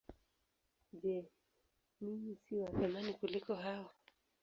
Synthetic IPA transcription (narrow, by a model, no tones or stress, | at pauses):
d͡ʒɛ | nimisiwaθamanikulikɔɦawa